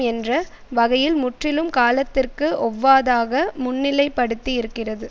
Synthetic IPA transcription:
ɛndrɐ | ʋɐɣɐjɪlmʊʈrɪlɯmkaːlɐt̪ːɪrkɯɔʋːaːðaːɣɐmʊnːɪlɐɪpːɐɽɯt̪ːiɪɾɯkːɪrɐðɯ

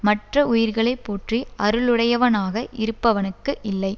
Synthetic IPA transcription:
mɐʈrɐʊjɪɾɣɐɭɐɪpːoːʈriʔɐɾɯɭɯɽɐjɐʋɐnaːɣɐʔɪɾɯpːɐʋɐnɯkːɯʔɪlːɐɪ

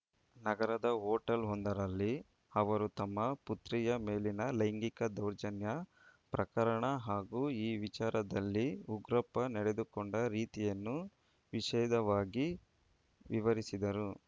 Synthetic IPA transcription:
nɐɡɐɾɐd̪ɐɦoːʈɐlɦond̪ɐɾɐlːi | ɐʋɐɾut̪ɐmːɐput̪ɾijɐme̞ːlinɐlɐjŋɡikɐd̪ɐwɾd͡ʒɐnjɐ | pɾɐkɐɾɐɳɐɦaːɡuːiːʋit͡ʃaːɾɐd̪ɐlːiuɡɾɐpːɐnɛɽed̪ukoɳɖɐɾiːt̪ijɐnːu | ʋiʃɛːd̪ɐʋaːɡi | ʋiʋɐɾisid̪ɐɾu

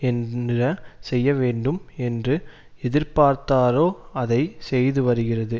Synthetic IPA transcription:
ɛnrɐsɛjːɐʋeːɳɖɯmɛndrɯ | ɛðɪɾpaːɾt̪aːɾoːɐðɐɪsɛjðɯʋɐɾɯɣɪrɐðɯ

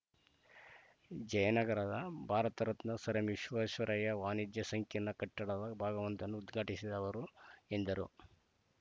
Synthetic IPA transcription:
d͡ʒɐjɐnɐɡɐɾad̪ɐbʱaːɾɐt̪ɐɾɐt̪nɐsɐɾɐmiʃʋɐːʃʋɐɾʔɐjɐʋaːnid̪jɐsɐŋkʰjɐnːɐkɐʈːɐɽɐd̪ɐbʱaːɡɐʋɐnt̪ɐnːuːd̪ɡʱaːʈisid̪ɐʋɐɾue̞nd̪ɐɾṵ

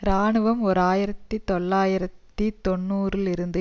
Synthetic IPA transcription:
ɾaːɳɯʋɐmɔɾaːjɪɾɐt̪ːit̪ɔɭːaːjɪɾɐt̪ːit̪ɔɳːuːrɪlɪɾɯnd̪ɯ

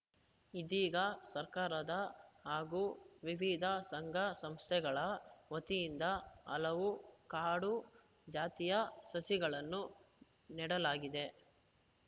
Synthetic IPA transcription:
id̪iːɡɐsɐɾkaːɾɐd̪ɐɦaːɡuːʋiʋid̪ʱɐsɐŋɡʱɐsɐmst̪ʰɛɡɐɭɐʋɐt̪ijind̪ɐɐ̰lɐʋukaːɽu | d͡ʒaːt̪ijɐsɐsiɡɐɭɐnːu | niɽɐlaːɡid̪e̞

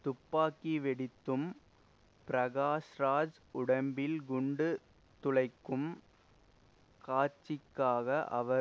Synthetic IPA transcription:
t̪ʊpːaːkːiʋɛɽɪt̪ːɯm | pɪɾɐɣaːsɾaːd͡ʒ | ʊɽɐmbɪlɡʊɳɖɯ | t̪ʊɭɐɪkːɯm | kaːt͡ʃːɪkːaːɣɐʔɐ̰ʋɐ

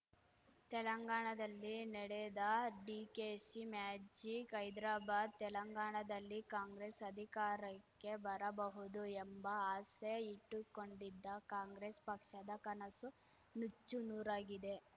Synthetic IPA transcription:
t̪ɛlɐŋɡaːɳɐd̪ɐlːinɛɽed̪ɐɖiːkeːsimaːd͡ʒikɐjd̪ɾaːbaːd̪̚t̪ɛlɐŋɡaːɳɐd̪ɐlːikaːŋɡɾeːsɐd̪ʱikaːɾɐkːe̞bɐɾɐbɐɦud̪uembɐaːsɐjɐiʈːukoɳɖid̪ːɐkaːŋɡɾespɐkʂɐd̪ɐkɐnɐsu | nut͡ʃːunuːɾaːɡid̪e̞

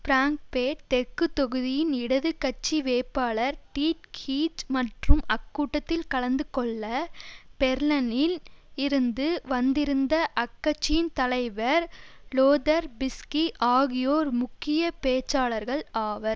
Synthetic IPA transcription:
fɪɾaːŋk̚peːʈ̚t̪ɛɾkːɯt̪ːɔɣɯðɪjɪnɪɽɐðɯkːɐt͡ʃːiʋeːpːaːɭɐɾʈiːʈ̚kʰiːt͡ʃmɐʈrɯmɐkːuːʈːɐt̪ːɪlkɐɭɐnd̪ɯkɔɭːɐpɛɾlɐnɪlɪɾɯnd̪ɯʋɐnd̪ɪɾɯnd̪ɐʔɐkːɐt͡ʃːɪjɪnt̪ɐlɐɪʋɐɾloːðɐɾbɪskiʔaːɣɪjoːɾmʊkːɪjɐpeːt͡ʃːaːlɐɾɣɐɭaːʋɐɾ

